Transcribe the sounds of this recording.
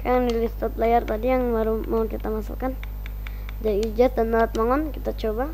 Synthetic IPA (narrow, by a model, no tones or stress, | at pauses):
kajaŋnilist̪at̪̚lajart̪adijaŋmaɾumaŋɔnkit̪amasa̰lkan | d͡ʒadiːd͡ʒasd̪anmaɾat̪̚maŋɔnkit̪at͡ʃoba